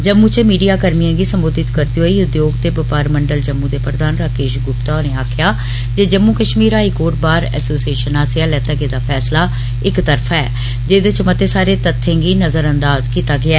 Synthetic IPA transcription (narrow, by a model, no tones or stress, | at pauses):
d͡ʒəmːũːt͡ʃəmiːɖijaːkəɾmiãːɡiːsəmboːd̪ɪt̪kəɾd̪ioiːʊd̪joːɡt̪eːbəpaːɾməɳɖəld͡ʒəmːũːd̪eːpɾəd̪aːnɾaːkeːʃɡʊpt̪aoneːaːkʰjaː | d͡ʒeːd͡ʒəmːuːkəʃmiːɾɦaːikoːʈbaːɾɛ̰ːsoːsieːʃənaːsɪaːlɛːt̪aːɡeːd̪aːpʰɛːslaː | ɪkt̪əɾpʰɛː | d͡ʒeːd̪eːt͡ʃəmət̪ːeːsaːɾeːt̪ət̪ʰːẽːŋɡiːnəzəɾənd̪aːzkiːt̪aːɡɪaː